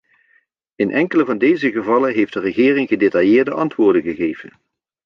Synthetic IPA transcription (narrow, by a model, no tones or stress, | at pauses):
ɪnʔɛŋkələvɑndejzəɣəvɑlənɦejfdərəχɪːrɪŋɣədetɑjɪːɹdəʔɑntʋʊːɹdəɣəɣejvə̰n